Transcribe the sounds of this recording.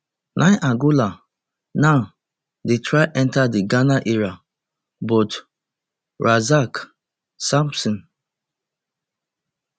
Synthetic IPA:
nʔãɪʔaɡula | na | detɹaɪʔɛ̃ntadiɡanaʔiɹa | bɔt | ɹʔazak | sãmpsɔ̃n

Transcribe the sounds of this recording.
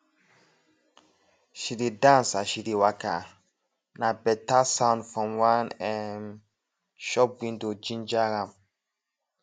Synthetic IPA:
ʃiɾidãnsaʃiɾiwaka̰ | nabɛtasãʊ̃ndfɹɔ̃mwãnɛn | ʃɔp̚wĩndod͡ʒĩnd͡ʒaɾãm

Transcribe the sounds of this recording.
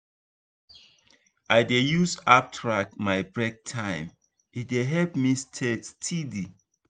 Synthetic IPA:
ʔajdejusap̚tʰɹak̚tmajbɹɛk̚tʰãɪ̃m | it̚deɦɛlpmistʰekstʰidi

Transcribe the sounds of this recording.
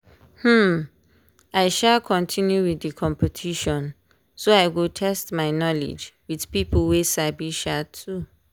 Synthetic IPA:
hm̩ | aɪʃalkʰɔ̃ntʰĩnjuwiðikʰɔ̃mpətʰiʃɔ̃n | soaɪwiltʰɛstmaɪnɔlḭd͡ʒwiðpipʰəlwesabiʃatʰːu

